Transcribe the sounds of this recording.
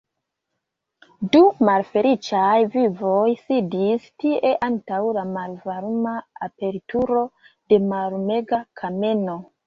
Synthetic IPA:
dumalfe̞lit͡ʃajvivo̞jsidistiʔe̞ʔantawlamalvaɾumaape̞ɾituɾo̞ | de̞malme̞ɡakʰameno̞

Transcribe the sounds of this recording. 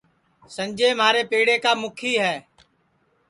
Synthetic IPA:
səmd͡ʒeːmɦaːɾeːpeːɽeːkaːmʊkʰiːɦɛː

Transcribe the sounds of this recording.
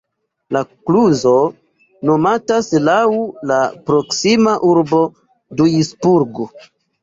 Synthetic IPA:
lakluzo̞ | no̞mataslawlapɾo̞ksimaʔuɾbo̞ | dujisbuɾɡo

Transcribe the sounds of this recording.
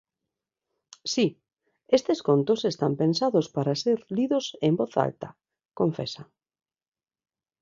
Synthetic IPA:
si | est̪eskont̪osest̪ampensaðʊspaɾaseɾliðosembɔθa̰lt̪ɐ̰ | koɱfḛsa

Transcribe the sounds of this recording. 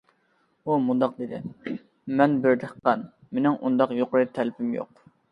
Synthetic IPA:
umund̪ɑq̚d̪ed̪ɪ̰ | mɛnbɪɾd̪əqːɑn | menɪŋʔund̪ɑqjoqʊɾɨt̪ʰælpʰɪmjo̰q

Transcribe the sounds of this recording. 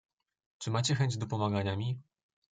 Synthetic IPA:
t͡ʂɘmat͡ɕɛxɛɲd͡ʑd̪ɔpɔmaɡaɲamʲi

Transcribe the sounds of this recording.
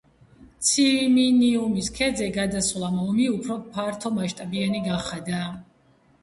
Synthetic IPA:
t̪sʰiminiumiskʰɛd̪zɛɡad̪aslˠamɔmiupʰɾɔpʰaɾt̪ʰɔmaʃt̪ʼabianiɡaχad̪aː

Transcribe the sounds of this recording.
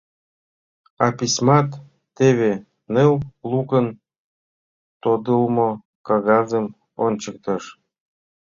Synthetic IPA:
ɑpʲisʲmɑt̪ː | eβe | newlukən | t̪od̪əlmo | kɑɣɑzəm | o̰nʲt͡ɕək̚t̪ɤ̆ʃ

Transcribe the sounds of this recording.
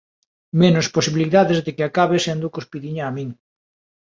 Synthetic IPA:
menosposiβiliðaðezðekeakaβesend̪ukospiðiɲaːmĩŋ

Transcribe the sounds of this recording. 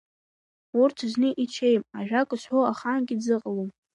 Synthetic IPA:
urtʰznɨʔit͡ʃʰe̞jmaʒᶣakʷʼɨʃħoaχanɡʲɪd͡zɨqʼalom

